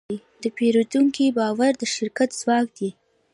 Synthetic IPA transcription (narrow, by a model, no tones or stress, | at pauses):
i | d̪̥əpeɾut̪uŋkibɑwaɾd̪əʃɪɾkat̪z̥wɑkd̪i